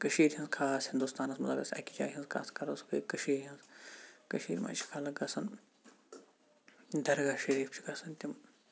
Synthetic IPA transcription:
kəʃiːɾɦɐnzkʰaːshind̪ust̪aːnɐsmɐzɐbɐ̰sɐ̰kʲid͡ʒa̰ːɦinzkʰa̰ːskɐɾɐsu̥kɐ̰kɐʃiːɾɦɐnzkɐʃḭːɾma̰ːt͡ʃʰi̥kʰaːlɐɡɐsɐn | d̪ɐɾɡaːʃɐɾiːft͡ʃʰi̥ɡɐsʰɐnt̪ʲim

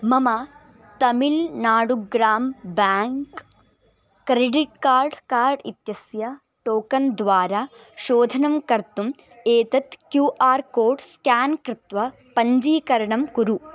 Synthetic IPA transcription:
mɐma | t̪ɐmilnaːɽuɡɾaːmbaːŋk | kɾeɖiʈ̚kaːɾɖkaːɾɖit̪jɐsjɐ | ʈoːkɐnd̪ʋaːɾaː | ʃoːd̪ʱɐnɐmkɐɾt̪um | eːt̪ɐt̪kjuːʔaːɾkoːɾɖskaːnkɾɪt̪ʋɐ | pɐɲd͡ʒiːkɐɾɐɳɐmkuɾu

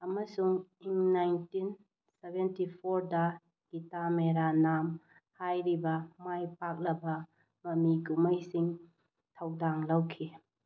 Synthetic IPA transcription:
ɐmɐsuŋiŋnajntin | sebentipʰoɾdɐ | ɡ̥itameɾanam | hajɾibɐmajpak̚lɐbɐ | mɐmiɡumajsiŋ | tʰɐwdaŋlawkʰi

